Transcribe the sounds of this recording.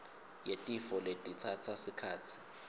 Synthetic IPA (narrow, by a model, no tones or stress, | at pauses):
jetʼifɔletʼit͡sʰat͡sʰasikʰaːt͡sʰi̥